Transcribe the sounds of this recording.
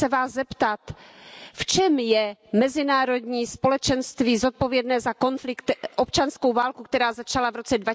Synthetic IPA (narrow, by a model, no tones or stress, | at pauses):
ɛvaːszɛpt̪at̪ft͡ʃɛmjɛmɛzɪnaːɾo̞dɲiːspo̞lɛt͡ʃɛnst̪viːzo̞t̪̚po̞vjɛdnɛːzako̞nflɪkt̪ʔopt͡ʃanskowvaːlkuk̚t̪ɛɾaːzat͡ʃalavɾo̞t͡sɛdva